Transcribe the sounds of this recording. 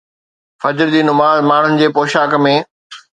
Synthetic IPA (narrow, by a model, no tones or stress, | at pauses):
fɐd͡ʑɾd͡ʑiːnʊmaːzmaːɳ̤ʊnɪ̆d͡ʑeːpoːʃaːkmẽː